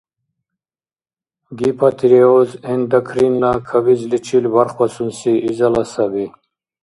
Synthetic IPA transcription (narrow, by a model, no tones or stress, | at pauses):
ɡipʰat̪ʰiɾeozend̪akʰɾinlakʰabizlit͡ʃʰilbaɾχwasunsiʔizalasabi